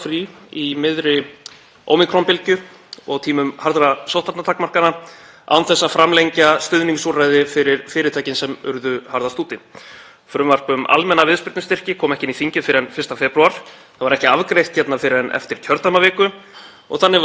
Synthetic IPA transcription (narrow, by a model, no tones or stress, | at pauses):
fɾiimɪðɾɪ | o̰wmikʰɾɔnpɪlcʏ | ɔɣt̪ʰiːmʏmhaɾðɾasowht̪at̪nat̪ʰaːkmar̥kana | a̰wnθɛsːaðfɾamlejɲcast̪ʏðniŋsurajðɪfɪɾɪɾfɪːɾɪt̪ʰajcɪnsɛmʏ̰ɾðʏhaɾðast̪uːt̪ɪ | fɾʏmvar̥pʏma̰lmɛnavɪðspɪɾt̪ʏst̪ɪr̥cɪkʰɔːmɛhcɪniθiɲcɪfɪɾɪɛnfɪr̥st̪afɛːpɾuaɾ̥θaðvaɾɛhcɪavkɾejht̪çɛt̪nafɪɾɪɾɛnʔɛ̰ft̪ɪɾ̥cʰœɾt̪amavɛːkʏ | ɔ̰ɣθanːɪ